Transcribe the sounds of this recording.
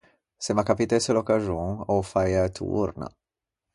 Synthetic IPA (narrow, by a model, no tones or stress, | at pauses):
semakapit̪eselokaʒoŋofajat̪ʰṵɾna̰